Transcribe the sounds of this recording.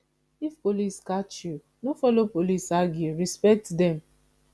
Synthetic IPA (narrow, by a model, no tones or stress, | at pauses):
ifpoliskat͡ʃju | nofɔlopolisaɡjuɹispɛk̚tdɛ̃m